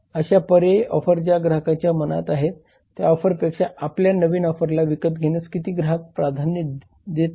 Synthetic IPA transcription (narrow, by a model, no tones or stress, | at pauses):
əɕapəɾeɔ̰fəɾd͡ʑaɡɾaɦəkat͡ɕjaməna̰t̪aɦet̪ː | ja̰ɔfəɾpekʂaʔapljanəʋiːnɔfəɾlaʋikət̪ɡʱeñəskit̪iːɡɾaɦək̚pɾad̪ʱani | d̪et̪